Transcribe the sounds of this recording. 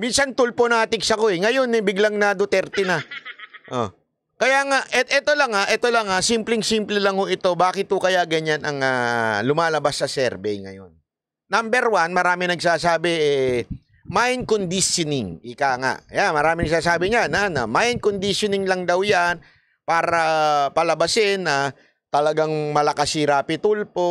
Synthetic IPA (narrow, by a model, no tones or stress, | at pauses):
minsɐnt̪ʊlponaːt̪ɪksɐkoɛŋɐjo̞nɛbɪɡlɐŋnɐd̪ot̪ɛɾt̪ɛnɐʔo̰ | kɐjaːŋaʔʔɛʔɛt̪o̞lɐŋaʔɛt̪o̞lɐŋasimplɪŋsimplɛlɐŋhoʔɪt̪o̞baːkɪt̪̚hokɐjaɡɐɲanɐ̰ŋaːlʊmaːlɐbasːɐsɛɾbɛjŋɐ̰jo̞̰nː | ambɛɾwanmɐɾaːmɪnɐɡsaːsaːbɪʔɛ | majnkond̪isjonɪŋʔɪkaːŋa̰ʔɐ̰janmɐɾaːmɪnɐɡ̚saːsaːbɪɲananɐmajnkond̪ɪʃjonɪŋlɐŋd̪ɐwjan | paːɾɐpɐlɐbɐsɪna | t̪ɐlɐɡaŋmɐlɐkɐsiɾaːpɪt̪ulpo̞